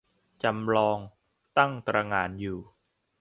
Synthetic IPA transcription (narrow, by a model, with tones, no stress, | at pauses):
t͡ɕa˧mɾɔː˧ŋ | t̪a˥˩ŋt̪ɾa˧ŋaː˩˦˥njuː˨˩